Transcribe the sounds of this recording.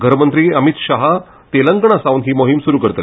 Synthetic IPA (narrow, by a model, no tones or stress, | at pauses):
ɡʱəɾmənt̪ɾiːəmit̪ɕaɦa | t̪eləŋɡɳ̃asaʋwnɦiːmoɦimsuɾuːkəɾt̪əl